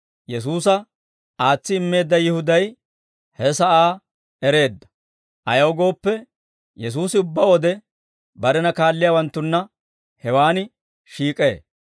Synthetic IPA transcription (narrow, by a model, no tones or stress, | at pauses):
jɛs̬uːsɐ | aːt͡sːɪːmːe̞ːd̪ːɐjɪhʊd̪ɐj | hɛsɐʔaː | ɛɾe̞ːd̪ːɐ̥ | ʔɐ̰jɐwɡo̞ːpːɛ | jɛs̬uːsɪʊbːɐwɔd̪ɛ | bɐɾɛnɐkaːlːɪjaːwɐnt̪ːʊnːɐ | hɛwaːnɪ | ʃiːkʼḛː